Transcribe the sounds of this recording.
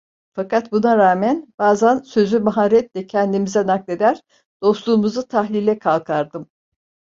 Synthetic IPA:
fakat̪bunaɾaːmænb̥aːzænsø̞zymaɦaɾɛt̪lʲɛcʰɛnd̪imizɛnaklʲˠe̞d̪æɾ̥ | d̪̥o̞slˠuːmuzut̪ʰahlʲilʲɛkʰalˠkʰaɾd̪ɯm

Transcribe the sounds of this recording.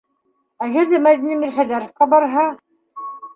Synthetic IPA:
æɡæɾðæmæðinimilχæðæɾŏfqɑbɑɾɦɑ

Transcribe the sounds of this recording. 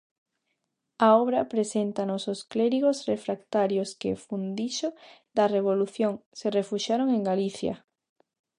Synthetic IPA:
aɔβɾɐpɾesent̪ɐnososklɛɾiɣosrefɾakt̪aɾjoskḛfund̪iʃoðɐreβ̞oluθjoŋserefuʃjaɾoŋeŋɡaliθjɐ̰

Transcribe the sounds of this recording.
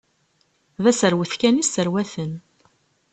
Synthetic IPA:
ðæsəɾwəθkænisəɾwæθən

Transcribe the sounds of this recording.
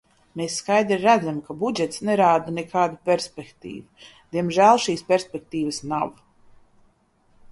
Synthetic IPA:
meːsːkajd̪ɾiɾæd̪zamkabud͡ʒɛt̪snɛɾaːd̪anɛkʰaːd̪upʲɛɾspʲɛkt̪ḭːvud̪̥iɛmʒæːlˠʃiːspʲɛɾsʲpʲɛk̚t̪iːvəsnav

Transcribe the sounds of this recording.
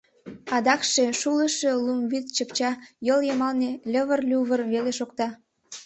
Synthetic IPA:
ɑd̪ɑkʃeʃuləʃe̽lumβit̪t͡ɕəpt͡ɕɑjəljəmɑlnelʲəβərlʲuβərβeleʃokt̪ɑ

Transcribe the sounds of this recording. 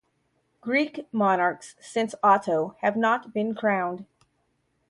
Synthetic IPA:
ɡ̥ɹikmɑnɑɹksːɪ̃nsɑɾoʊɨvnət̚b̥ɨ̃nkʰɹ̥ãʊ̃nd̥

